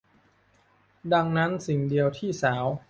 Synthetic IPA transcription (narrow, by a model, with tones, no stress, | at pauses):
da˧ŋna˦˥nsi˨˩ŋdi˧əwt̪ʰiː˥˩saː˩˦w